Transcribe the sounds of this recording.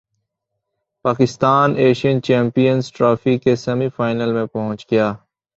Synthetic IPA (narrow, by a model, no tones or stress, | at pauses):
paːkɪst̪aːneːʃijənt͡ʃɛ̃ːmpijənzʈɾaːfikesɐmifaːɪnəlmẽpɐɦʊ̃t͡ʃɡɪjaː